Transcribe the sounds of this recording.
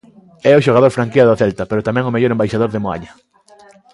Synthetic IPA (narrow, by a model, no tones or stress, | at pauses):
ɛʊʃoɣaðoɾfɾaŋkiaðaθɛlt̪ɐpeɾʊt̪amɛ̃ŋʊmeʎoɾembajʃaðoɾðemoa̰ɲɐ